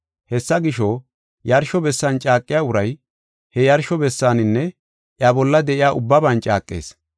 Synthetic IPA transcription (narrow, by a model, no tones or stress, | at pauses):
hɛsːɐɡɪʃɔ | jɐɾʃɔbɛsːɐnt͡ʃʼaːkʼːɪjaːʊɾɐj | hɛjɐɾʃɔbɛsːaːnɪnːɛ | ʔjɐbɔlːɐd̪ɛʔɪjaːʔʊbːɐbɐnt͡ʃʼaːkʼːḛːs